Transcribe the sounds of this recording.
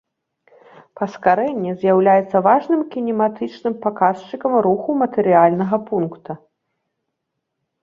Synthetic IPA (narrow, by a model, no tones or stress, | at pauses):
pɐskaɾɛnʲːɛzʲjawlʲajɛt̪sːɐvaʐnɨmkʲinʲɛmat̪ɨt͡ʂnɨmpakast͡ʂɨkɐmɾuxumɐt̪ɛɾɨalʲnɐɣɐpunkt̪u